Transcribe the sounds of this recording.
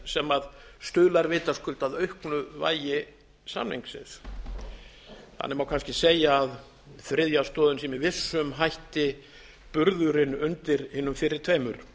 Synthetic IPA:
sɛmaðst̪œːlaɾvɪːt̪askʏlt̪aðœɥhknʏva̰ːjɪ | sa̰mnḛŋksɪ̰s | ha̰nːɛɾmawkʰanscɪseːjaːð | θɾɪðjast̪ɔːðʏnsɛmɪvɪsːʏmɦajht̪ɪ | pʏɾðʏɾɪnʏnt̪ɪɾhɪːnːʏmfɪɾɪɾ̥t̪ʰv̥ejmʏɾ̥

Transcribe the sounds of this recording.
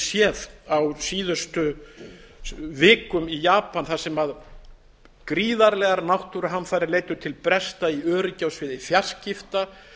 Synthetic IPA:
sjɛðawsiːðʏst̪ʏ | vɪːkʏmijaːpanθasɛmað | kɾiːðaɾlɛɣaɾnawht̪uɾʏɦanfaːɾɪɾleːjt̪ʏɾ̥t̪ʰɪlpɾɛst̪aiœːɾʏcawsvɪðɪfjar̥scɪft̪a

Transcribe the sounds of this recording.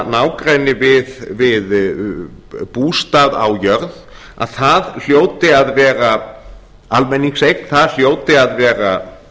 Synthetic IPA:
naːwkɾaːjnːɪvɪðvɪð | puːst̪aða̰wjœɾð | a̰ðθaðl̥joːwt̪ɪaðvɛːɾa | almɛnːiŋksejkn̥θaðl̥joːwt̪ɪaðvɛːɾa

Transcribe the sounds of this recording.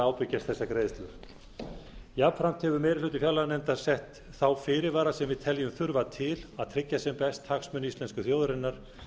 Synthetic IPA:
aːwpɪcːast̪θɛsːakɾeːjðst̪lʏɾ | japfɾam̥t̪hɛvʏɾmɛɾɪlʏːt̪ɪ̥fjawlanɛnt̪ḁsɛht̪ | θawfɪːɾɪɾvaːɾasɛmvɪðt̪ʰɛljʏmθʏɾvat̪ʰɪlaðt̪ʰɾɪcːasɛmpɛst̪haksmʏnist̪ɛnskʏθjowðɾɪnːaɾ̥

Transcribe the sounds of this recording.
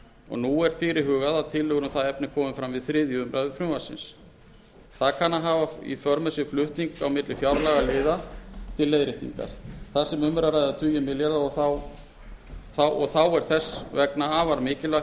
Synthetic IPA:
ɔ̰ɣnuːɛɾ̥fɪːɾɪɾɦʏːɣaðat̪ʰɪlːʏːɣʏɾʏθaðɛpnɪkʰɔːmɪfɾamvɪðθɾɪːðjʏʏmɾʔaðʏfɾʏvasːɪ̰ns | θaðkʰanːaɦaːvaḭfœɾmʏsɪɾflʏht̪niŋkawmɪt̪lɪfjawɾlaɣalɪːðat̪ʰɪlːejðɾɪht̪nḭŋka̰ɾ̥θasɛmʏmɾaɾajððat̪ʰʏːjʏmɪljɛɾðaɔθaw | θawʔɔɣθawɛɾ̥θɛsvɛknaaːvaɾmɪːcɪla

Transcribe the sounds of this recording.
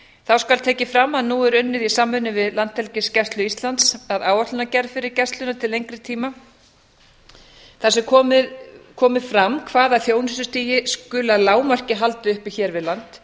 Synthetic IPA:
θawskalt̪ʰɛːcɪfɾamːaðnuːɛɾʏnːɪðisaːmːʏnɪvɪðlant̪ɛlcɪscɛst̪lʏist̪lant̪saðaːwvaht̪ʏnacɛɾfɪɾɪɾcɛst̪lʏnat̪ʰɪlejŋkɾɪt̪ʰiːma | θasɛkʰɔːɪkʰɔːmɪfɾamkʰvaːðaθjoːwnɪsʏst̪iːjɪskʏːlaðlaːwmar̥cɪɦalt̪ʏʏhpiçɛːɾvɪðlant̪

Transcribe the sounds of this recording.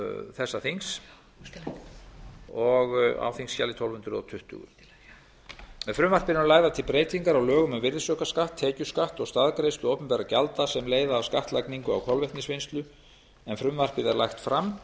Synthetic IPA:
θɛsːaθiŋs | ɔɣa̰wθiŋsçalɪt̪ʰɔlvʏnt̪ɾʏɔ̰t̪ʰʏht̪ʏ̰ɣʏ̰ | mɛðfɾʏmvar̥pɪɾʏmlaːjðat̪ʰɪlpɾeːjt̪iŋkaɾawlœːɣʏmʏmvɪɾðɪsœkaskaht̪ʰːeːcʏskaht̪ɔɣst̪aðkɾejst̪ʏowpʏnpajɾacalt̪asɛmleːjðaːwskaht̪lajkniŋkʏa̰wkʰɔlvɛjht̪nɪsvɪnst̪lʏ | ɛnfɾʏmvar̥pɪðɛɾlajxt̪fɾam

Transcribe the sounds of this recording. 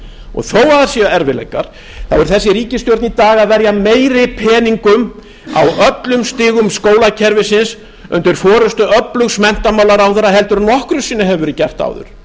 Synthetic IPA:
ɔ̰ɣθoːwaðaɾ̥siːaɛɾvɪlḛjkaɾ̥ | θawʏɾʏ̥θɛsːɪɾiːcɪst̪jowɾt̪nit̪aːɣaðvɛɾjameːjɾɪpʰɛːniŋkʏm | a̰wœt̪lʏmst̪ɪːɣʏmskoːwlacʰɛɾvɪsɪns | ʏ̰nt̪ʏɾ̥fɔːɾʏst̪ʏœplʏɣsmɛn̥t̪amawlaɾawθɛɾaɦɛlt̪ʏɾnɔhkɾʏsiːnaɦɛvʏɾɪcɛr̥t̪a̰ːwðʏ̰ɾ̥

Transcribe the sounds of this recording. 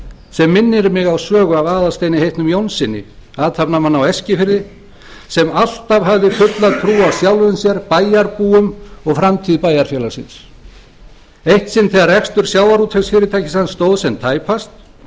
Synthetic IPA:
sɛmːɪnːɪɾmɪɣawsœːɣʏavaːðast̪ejnɪɦejht̪nʏmjownsɪnːɪ̰aːt̪ʰapnamanːawɛscɪfɪɾðɪ | sɛmal̥t̪avɦavðɪfʏt̪laðt̪ʰɾuːawsjawlvʏnsjɛɾpaːjaɾpuːʏmɔɣfɾamt̪ʰiːðɪpaːjaɾ̥fjɛlḁsɪ̰ns | ejht̪sɪnt̪θʰɛɣarɛkst̪ʏɾ̥sjawðaɾut̪ʰɛsfɪːɾɪt̪ʰajcɪsanst̪owðsɛnt̪ʰaːjpast̪

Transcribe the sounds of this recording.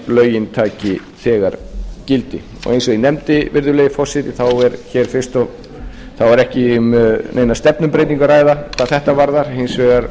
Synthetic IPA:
lœːɥjɪnt̪ʰaːcɪ | θɛːɣaɾcɪlt̪ɪ | ɔ̰ɣejnsɔinɛmt̪ɪvɪɾðʏlejɪfɔsɪt̪ɪθawɛɾçɛːɾ̥fɪrst̪ɔɣ | θawɛɾɛhcɪmnejnast̪ɛpnʏmpɾejt̪iŋkaɾaːjðat̪aθɛht̪avaɾðaɾ̥ɦejnsvɛɣaɾ

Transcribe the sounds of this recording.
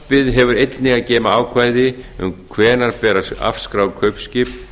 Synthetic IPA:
pɪðɦɛvʏɾejt̪nɪɣaðcɛːmaaːwkʰvaːjðɪʏ̰mkʰvɛːnaɾpɛːɾaa̰fskɾaːwkʰœɥpscɪp

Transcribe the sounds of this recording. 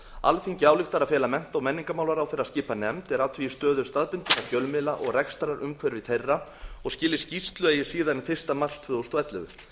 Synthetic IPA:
a̰lfiɲcɪaːwlɪxt̪aɾaðfɛːlamɛn̥t̪ɔɣmɛnːiŋkamawlaɾawθejrascɪːpanɛmt̪ɛɾaːwt̪ʰvijɪst̪œːðʏɾ̥st̪aðpʏn̥t̪ɪɾaçœlmɪlaʔɔɣrɛkst̪aɾaɾʔʏmkʰvɛɾɪvɪθejrːaɔɣscɪːlɪ̥scist̪lʏeːjɪ̥siːðanθɪr̥st̪amar̥st̪ʰv̥ʏːðɔwst̪wɛt̪lʏ̰ɣʏ̰

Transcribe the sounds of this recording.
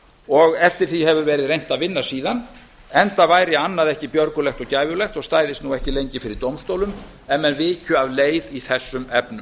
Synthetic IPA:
ɔɣɛft̪ɪɾ̥θiɦɛvʏvɛːɾɪðrejn̥t̪aðvɪnːasiːðan | ɛnt̪avaːjɾɪanːaðɛhcɪpjœɾkʏlɛxt̪ɔɣcaːjvjʏlɛxt̪ɔɣst̪aːjðɪst̪nuɛhcɪlejɲcɪfɪɾɪɾt̪owmst̪owlʏm | ɛnmːɛnvɪːcʰʏavleːjviθɛsːʏmɛpnʏm

